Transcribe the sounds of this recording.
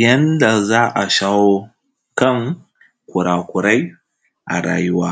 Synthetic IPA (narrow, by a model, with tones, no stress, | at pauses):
jɐ˦nda˨zaː˦ʔa˨ʃaː˦woː˦ | kɐ˦˨ŋ | kʷʊ˨ɽaː˨kʷʊ˨ɽa˦j | ʔa̰˨ɾa̰ː˨jʊ˦waː˦